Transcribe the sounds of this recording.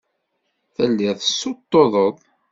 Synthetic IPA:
θəlːiðˤəsːot̪ːoðˤəðˤ

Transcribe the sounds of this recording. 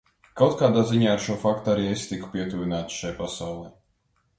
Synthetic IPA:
kawt̪̚kaːd̪aːziɲaːaɾʃuɔfakt̪uaɾiːest̪iku̥pʲiɛt̪uvʲinaːt̪sʃajpasawlˠɛj

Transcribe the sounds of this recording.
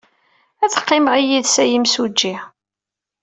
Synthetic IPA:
æθə̥qːɪməʁijiðsæjimsud͡ʒːi

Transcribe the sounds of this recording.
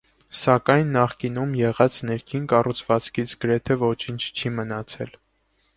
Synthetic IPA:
sɑkɑjnːɑχkinumjɛʁɑt͡snɛɾkʰinkɑrut͡sʰvɑt͡skʰit͡sʰɡ̥əɾɛt̪ʰɛvɔt͡ʃʰint͡ʃʰt͡ʃʰimənɑt͡sʰɛ̰l

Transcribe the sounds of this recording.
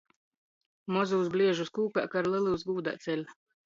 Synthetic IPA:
mɔzuːsblʲiɛʒuskuːka̰ːkaɾlˠɛlˠuːsɡuːd̪a̰ːt̪sʲɛlʲ

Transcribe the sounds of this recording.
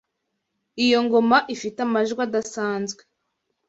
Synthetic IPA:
ijo̞ŋɡo̞maʔifitamaʒɡwadasaːnzɡwe̥

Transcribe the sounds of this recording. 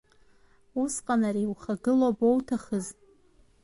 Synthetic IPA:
usqʼanariwχaɡɨlobowtʰaχəz

